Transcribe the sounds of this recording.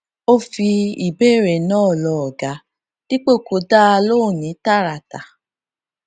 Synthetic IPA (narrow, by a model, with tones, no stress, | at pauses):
o˦fi˧i˨be˦˨ɾe˨nɔ̃˦˨lɔ˧ɔ˨ɡa˨˦ | d̥i˦k͡po˦˨ko˨˦da˦a˧lo˦˨nĩ˨˦ta˦˨ɾa˨ta˨